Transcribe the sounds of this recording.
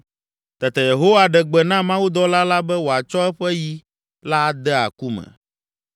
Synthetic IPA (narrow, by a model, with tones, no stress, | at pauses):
t̪ɛ˨t̪ɛ˨je˨ɦo˦wa˦ɖɛ˨ɡ͡bɛ˨nã˦mã˦wu˦d̪ɔ˦la˦la˦bɛ˦wo˨a˨t͡ʃɔ˦ɛ˦ɸɛ˦ji˦ | la˦d̪ɛ˦a̰˨ku˦mɛ̰˨